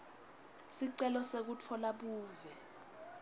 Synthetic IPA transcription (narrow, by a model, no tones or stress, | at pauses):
siǀɛlɔsek̬utʰɔlaɓuːvɛ